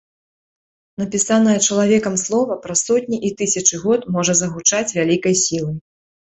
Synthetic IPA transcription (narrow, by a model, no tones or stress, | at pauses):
nɐpʲisanɐjɛt͡ʂɐlˠavʲɛkɐmslˠɔvɐpɾɐsɔt̪ʲnʲiʔit̪ɨsʲɐt͡ʂɨɣɔt̪mɔʐɐzɐɣut͡ʂat͡sʲvʲalʲikɐjsʲilˠɨ